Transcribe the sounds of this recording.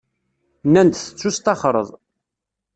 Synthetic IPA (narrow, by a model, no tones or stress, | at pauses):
nːænd̪θə̥t͡sːust̪ɑχɾˤə̰ðˤ